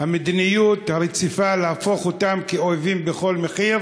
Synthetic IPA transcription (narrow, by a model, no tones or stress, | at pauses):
hamid̪nijut̪haʁet͡sifalehafo̞χotamkeoavimbeχo̞lmeχiʁ